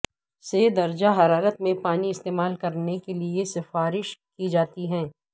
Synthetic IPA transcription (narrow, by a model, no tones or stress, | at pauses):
sed̪ɐɾd͡ʒaɦɐɾaːɾət̪mẽpaːniɪst̪eːmaːlkɐɾnekeliesɪfaːɾɪʃkid͡ʒaːt̪iɦɛ̃ː